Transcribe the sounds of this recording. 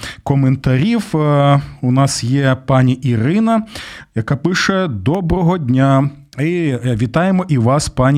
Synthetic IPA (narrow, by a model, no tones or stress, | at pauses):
kɔment̪ɐɾʲiw | ʊnɑsjɛpɑnʲiʔiɾɪnɐjɐkɑpɪʃɛd̪ɔbɾɔɦɔdʲnʲa | iʋʲit̪ɑjemɔʔiʋɑspɑnʲ